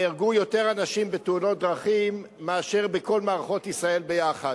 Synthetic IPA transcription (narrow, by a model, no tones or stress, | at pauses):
iʁɡujo̞te̞ʁanaʃimbeteuno̞t̚d̪ʁaχimː | eaʃe̞ʁbeko̞lmaːʁaχo̞t̪isʁae̞lbejaχa